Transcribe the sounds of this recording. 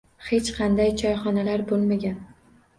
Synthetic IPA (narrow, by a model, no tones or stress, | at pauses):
he̞t͡ʃqʰɑnd̪ajt͡ʃʰɒjχɒnalaɾbolˠmaɡʲan